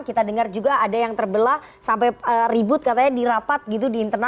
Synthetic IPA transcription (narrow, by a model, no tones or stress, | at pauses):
kit̪adəŋard͡ʒuɡaːdajaŋt̪ərbəla | sampajəribʊt̪̚kat̪aɲadiɾapat̪̚ɡit̪udiːnt̪ərna